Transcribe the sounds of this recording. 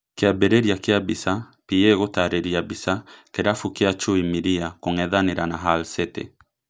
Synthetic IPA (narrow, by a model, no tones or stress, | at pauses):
kiabɛɾɛɾiakiabisa | pieɣotaɾɛɾiabisakɛɾafukiat͡ʃuimiɾiakoŋɛðaniɾanaɦalsɛtɛ̰